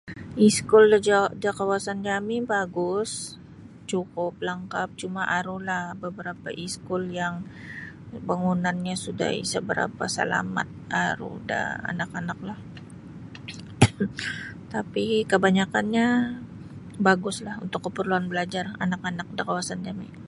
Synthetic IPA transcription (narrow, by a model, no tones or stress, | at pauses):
ʔiskʊldəd͡ʒadakawasand͡ʒamɪbaɡʊs | t͡ʃukʊp̚laŋkap̚t͡ʃumaʔaɾulahbəbəɾapa̰ʔiskʊljaŋ | baŋunanɲasuda̰ḭsəbəɾa̰pa̰sa̰la̰ma̰t̪̚aɾṵda̰a̰nakanak̚lah | t̪apikəbaɲakanɲa | baɡʊslahṵnt̪ʊkːəpərluanbəlad͡ʒara̰nakanak̚dakawasand͡ʒamḭ